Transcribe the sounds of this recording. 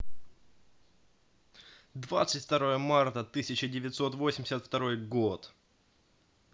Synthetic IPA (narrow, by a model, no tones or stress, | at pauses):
d̪vat̪sɨtʲft̪ɐɾo̞jəmart̪ət̪ɨsʲɪt͡ɕɪdʲɪvʲɪt̪ʲso̞t̪vo̞sʲɪmʲdʲɪ̥sʲət̪ft̪ɐɾo̞jɡo̞t̪